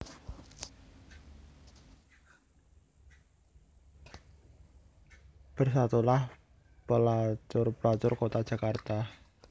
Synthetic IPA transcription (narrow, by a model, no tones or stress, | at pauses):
b̥ə̤rsat̪ulah | pəlat͡ʃʊrplat͡ʃʊrkot̪ad̥ʒ̥a̤kart̪a